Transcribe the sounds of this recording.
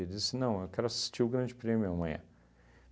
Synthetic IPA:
d͡ʒisɪnɐ̃w̃ewkɛɾʊasi̥st͡ʃiʊɡɾɐ̃d͡ʒɪpɾẽmjʊamɐ̃j̃ɐ̰̃

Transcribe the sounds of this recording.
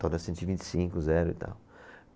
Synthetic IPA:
t̪od̪ɐsẽnɪvĩnt͡ʃ̪ɪ̥sĩŋkʊzɛɾʊḭt̪a̰w

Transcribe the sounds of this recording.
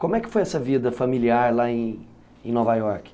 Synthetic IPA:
kõmʊɛkɪ̥fojɛsɐvid̪ɐfamiliaɾlaẽj̃ | ẽj̃nɔvajɔɾkɪ̥

